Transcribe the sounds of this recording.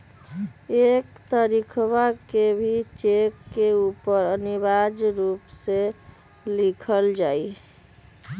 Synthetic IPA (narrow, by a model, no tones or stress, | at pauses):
ekt̪əɾikʰβakebʱit͡ʃekːeupəɾəniβad͡ʒɾupse | likʰəld͡ʒaj